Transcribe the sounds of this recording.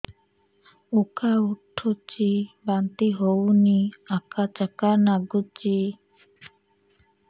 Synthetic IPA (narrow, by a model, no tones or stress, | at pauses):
ukauʈʰːot͡ʃibant̪iɦowniakʰat͡ʃakanaɡut͡ʃi